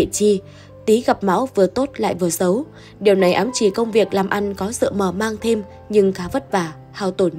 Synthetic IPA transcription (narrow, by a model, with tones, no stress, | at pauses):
t͡ɕi˧ | t̪i˨˦ɣa˨˩p̚ma̰˧˥wvɨ˨˩ət̪o˦˥t̚la̰ː˧˨jvɨ˨˩əzə˨˦w | ɗi˨˩əwna˨˩jʔaː˨˦mt͡ɕi˧˩kə˧wŋ͡mvi˨˩ək̚laː˨˩mʔa˧jŋ̟kɔ˨˦sɨ̰˧˨məː˧˩maː˧ŋt̪ʰe˧m | ɲɨ˧ŋkaː˨˦və˦˥t̚vaː˨˧˩ | haː˧wt̪o˧˩n